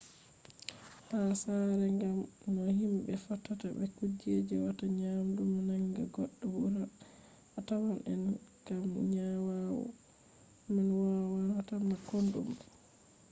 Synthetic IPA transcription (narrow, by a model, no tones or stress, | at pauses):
hasaɾɛŋɡamnɔhimbɛfatːatabɛkud͡ʒed͡ʒɛwataɲamdumanaŋɡaɡɔɗːɔwuɾa | ʔːtawanʔɛ̰nkamɲawawɔ̰ | manwawawatamːakondṵm